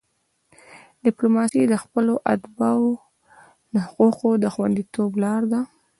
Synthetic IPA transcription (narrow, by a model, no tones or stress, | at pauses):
d̥ɪplomɑsid̪əxpəloʔad̪bɑwo | nahquqod̪əxwand̪it̪oblɑɾd̪a